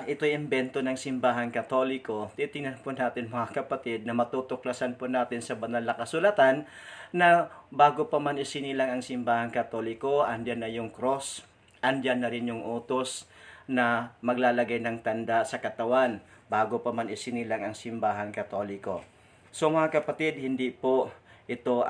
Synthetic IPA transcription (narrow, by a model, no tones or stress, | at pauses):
ʔɪt̪o̞jɪmbɛnt̪o̞nɐŋsɪmbaːɦɐnkɐt̪o̞lɪko̞t̪iːt̪ɪŋnɐnponaːt̪ɪnmɐŋakɐpɐt̪ɪd̪̚nɐmɐt̪uːt̪oklɐsanponaːt̪ɪnsɐbɐnalɐkɐsʊlɐt̪anː | ɐbaːɡo̞pɐmanɪsɪnilɐŋɐŋsɪmbaːhɐŋkɐt̪o̞ːlɪko̞ʔɐnd͡ʒanːɐjʊŋkɾo̞s | ʔɐnd͡ʒanːɐɾɪnjʊŋʔoːt̪osnɐmɐɡlaːlɐɡajnɐŋt̪ɐnd̪asɐkɐt̪ɐwanbaːɡopɐmanɪsɪnilaŋɐŋsɪmbaːɦɐnkɐt̪o̞lɪko̞̰ | so̞mɐŋakɐpɐt̪ɪd̪̚hɪnd̪ipoʔɪt̪o̞